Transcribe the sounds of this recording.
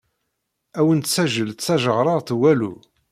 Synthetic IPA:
æwənt̪sæʒːəlt̪t͡sːæʒəʁɾˤɑˤt̪wælu

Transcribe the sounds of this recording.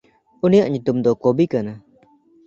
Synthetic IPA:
unijaʔɲut̪umd̪ɔkobikana

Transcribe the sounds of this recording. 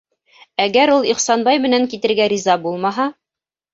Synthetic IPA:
æɡæɾulˠiχsɑnbɑjmɘ̆næŋkit̪ɘ̆ɾɡæɾizɑbulˠmɑɦɑ

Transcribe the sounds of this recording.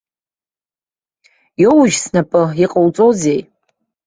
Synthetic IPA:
jowʒsnapʼɨiqʼawt͡sʼozej

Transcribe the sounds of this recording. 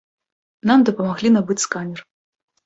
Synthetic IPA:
namd̪ɐpɐmaɣlʲinabɨt͡sʲskanʲɛr

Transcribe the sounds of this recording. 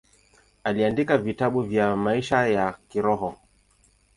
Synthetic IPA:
aliandikavitaɓuvjamaiʃajakiɾɔɦɔ

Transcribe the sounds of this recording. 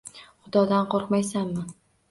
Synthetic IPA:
χʊd̪ɒd̪anqʰoɾqmajsanːɪ

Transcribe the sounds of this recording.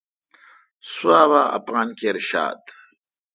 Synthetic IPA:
suaːwaːa̰pɣaːnkeɾɕa̰ːd̪

